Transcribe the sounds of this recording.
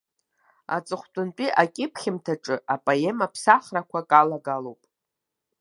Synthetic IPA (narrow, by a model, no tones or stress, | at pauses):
a̰t͡sʼɨχʷt͡pʷʼʊnt͡pʷʼiʔakʲʼɪpʰχʲɪmtʰaʈ͡ʂʼɨʔapʼajemapʰsaχrakʷʰakʼalaɡalowpʼ